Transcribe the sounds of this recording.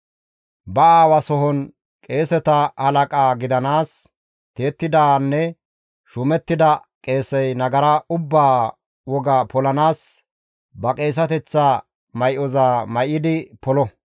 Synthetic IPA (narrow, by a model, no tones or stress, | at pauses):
bɐaːwɐsɔɦɔn | kʼe̞ːsɛt̪ɐhɐlɐkʼaːɡɪd̪ɐnaːs | t̪eːt̪ːɪd̪aːnːɛ | ʃʊmɛt̪ːɪd̪ɐkʼe̞ːsɛjnɐɡɐɾɐʔʊbːaː | wɔɡɐpɔlɐnaːs | bɐkʼe̞ːs̬ɐt̪ɛt͡sːa | mɐjʔɔzaːmɐjɪd̪ɪpɔlɔ